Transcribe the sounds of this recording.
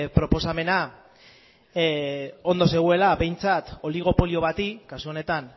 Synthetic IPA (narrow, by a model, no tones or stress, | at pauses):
pɾo̞po̞same̞na | o̞nd̪o̞s̬e̞ɣ̞ue̞laβe̞jnt͡sat̪o̞liɣ̞o̞po̞lio̞β̞at̪ikasuo̞ne̞t̪an